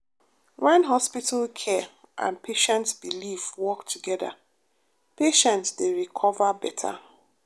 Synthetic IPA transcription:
wɛ̃nɦɔspital̩kʰɛ | ʔã̰npʰeʃɛ̃ntsbilifwɔktʰuɡɛða̰ | peʃɛ̃ntsdeɹikʰɔvabɛtʰa̰

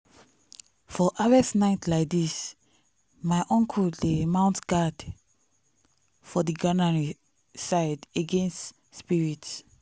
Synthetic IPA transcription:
fɔʔavɛsnaɪtlaɪk̚dis | maɪʔɔ̃ŋkʰulemãʊ̃ntɡ̥ad | fɔdiɡanaɹi | saɪdeɡẽnst | spiɹits

